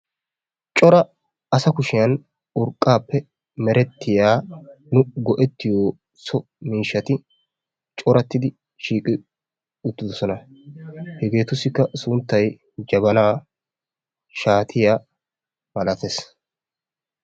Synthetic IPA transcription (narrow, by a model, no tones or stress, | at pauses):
t͡ʃʼɔɾɐ | ɐsɐkʊʃɪjɐn | ʊɾkʼːaːpːɛ | mɛɾɛt̪ːɪjaː | nʊɡɔʔɛt̪ːɪjoː | sɔ | miːʃːɐt̪ɪ | t͡ʃʼɔɾɐt̪ːɪd̪ɪ | ʃiːkʼɪ | ʊt̪ːɪd̪ɔsɔnɐ | hɛɡe̞ːt̪ʊsːɪkːɐsʊnt̪ːɐj | d͡ʒɐbɐnaː | ʃaːt̪ʰɪjaː | mɐlɐt̪es